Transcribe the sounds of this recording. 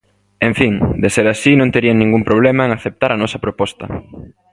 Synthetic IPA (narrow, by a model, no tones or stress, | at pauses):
ẽɱfiŋd̪eseɾasinõnt̪eɾiaŋnĩŋɡumpɾoβ̞lemaeŋaθep̚t̪aɾɐnɔsɐpɾopɔst̪ɐ̰